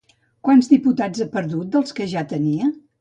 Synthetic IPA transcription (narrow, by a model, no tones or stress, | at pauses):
kwanzðiput̪ad͡zəpəɾðut̪̚d̪əlˠskəʒat̪əniə